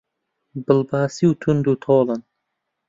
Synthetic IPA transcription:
bɨlbɑːsiwt̪ʰund̪uːt̪ʰoːlɨn

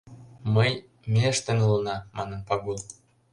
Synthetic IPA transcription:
məj | mʲeʃt̪ə̆nulɤnɑmɑnə̆npɑɡul

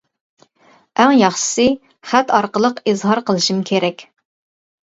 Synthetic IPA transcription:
æŋjɑχʃɪ̥sɨ | χæt̪ɑɾqəlˠəqizɦɑɾqəlˠɨʃimkʲʰeɾɛkʲ

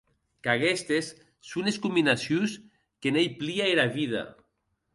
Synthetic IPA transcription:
kaɣest̪esː | uneskumbinasjus | kenejpliaeɾaβiða̰

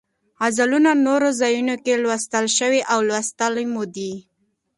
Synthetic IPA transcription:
azalunanoɾozajunokelwast̪əlʃəwiʔawlwast̪əlmod̪i

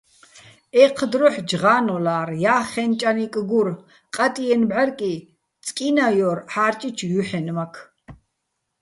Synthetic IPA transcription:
ɛqʰd̪ɾɔħd͡ʒʁaːnɔlaːrjaːχɛnt͡ʃʼanikʼɡuɾ | qʼat̪ʼiɛnbʕaɾkʼi | t͡sʼkʼinajɔɾħaːrt͡ʃʼit͡ʃʰjuħɛnmakʰ

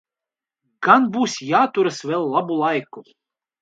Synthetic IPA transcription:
ɡ̥anbusʲjat̪uɾɨsvɛlˠːabulˠajkːʊ

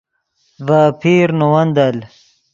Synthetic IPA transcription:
vaːpʰiːɾnowɐnd̪ɐl

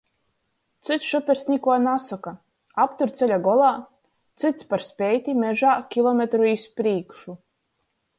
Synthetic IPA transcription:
t̪sɨt̪sʃupʲɛɾsʲnʲikuɔnasɔka | apt̪uɾt̪sɛlʲaɡɔlˠaː | t̪sɨt̪spaɾspʲɛjt̪ʲimʲɛʒaːkʲilˠɔmʲet̪ɾuispɾiːkʃu

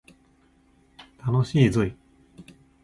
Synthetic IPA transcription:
t̪anoɕiːzɨi

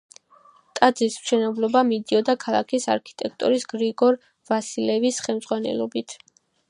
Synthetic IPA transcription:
t̪ʼad̪zismʃɛnɛblˠɔbamid̪iɔd̪akʰalˠa̰kʰisa̰ɾkʰi̥t̪ʼɛk̚ʰt̪ʼṵɾisɡ̥ɾiɡɔɾ | vasilɛvisχɛlmd̪zʁwanɛ̰lˠɔ̰bit̪ʰ

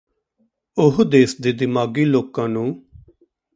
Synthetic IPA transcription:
ʊɦd̪eːsd̪eːd̪ɪmaːɡiːloːkãːnũː

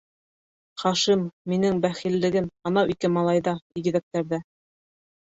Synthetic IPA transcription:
χɑʃimːinɘŋbæχilːɘ̆ɡɘmɑnɑwikɘmɑlˠɑjðɑiɡɘ̆ðæk̚t̪æɾðæ

